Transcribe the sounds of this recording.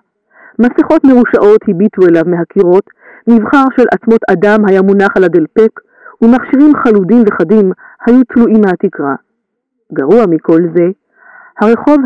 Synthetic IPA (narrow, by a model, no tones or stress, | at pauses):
masiχo̞tme̞ʁuʃaʔo̞t̪hibit̪ue̞lavmeɦakiʁo̞t̪ | mivχaʁʃe̞lʔat͡smo̞t̪adamɦajamunaχalad̪elpek | umaχʃiʁimχaludimveχadimhajut͡sluʔimːehat̪ikʁa | ɡaʁuamikʰo̞lze̞ | haʁe̞χo̞v